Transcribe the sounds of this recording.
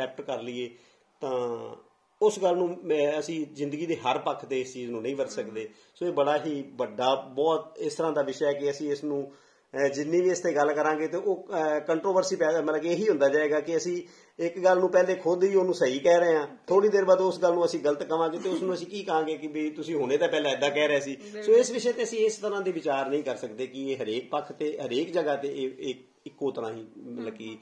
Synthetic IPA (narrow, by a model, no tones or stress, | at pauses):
sɛːp̚ʈkəɾlɪeː | t̪ãː | ʊsɡəlːnũːɛ̃ːəsĩːzɪ̃nd̪əɡiːd̪eːɦəɾpəkʰːt̪eːɪst͡ʃiːznũːnəĩːbəɾsəkd̪eː | soːeːbəɽaːɦiːbəɖːaːbɔːt̪ɪst̪əɾãːd̪aːʋɪʃɛːkɪəsĩːɪsnũː | d͡ʒɪnːĩːʋiːɪst̪ʰeːɡəlkəɾãːɡeːt̪eːʔoːkəɳʈɾoːʋəɾsiːpɛːmət̪ləɡeːɦiːɦʊ̃nd̪aːd͡ʒaːeːɡaːkɪəsĩː | ɪkɡəlnũːpɛːleːkʰod̪ʋiːoːnũːsəiːkɛːɾəeãːt̪ʰoːɽiːd̪eːɾbaːd̪ʊsɡəlnũːəsĩːɡələt̪kəʋãːɡeːt̪eːʊsnũːəsĩːkiːkəãːɡeːkɪbiːt̪ʊsĩːɦoːñeːd̪aːpɛːlãːɪd̪ːaːkɛːɾəɛːsiːsoːɪsʋɪʃɛeːt̪eːəsĩːɪst̪əɾãːd̪eːʋɪt͡ʃaːɾnəĩːkəɾsəkd̪eːkɪːɦəɾeːk̚pəkʰt̪eːɦəɾeːkd͡ʒəɡaːt̪eː | ɪkːoːt̪əɾã̰ːɦiːmələkiː